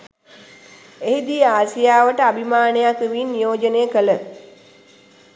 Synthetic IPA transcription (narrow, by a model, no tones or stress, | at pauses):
eɦid̪ijəaːsijaːʋəʈəabʱimaːnejakeʋinːijoːd͡ʒənejəkələ